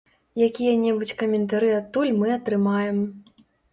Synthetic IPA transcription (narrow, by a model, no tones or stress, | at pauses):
jakʲijɐnʲɛbut͡sʲkɐmʲɛnt̪aɾɨat̪ːulʲmɨɐt̪ɾɨmajɛm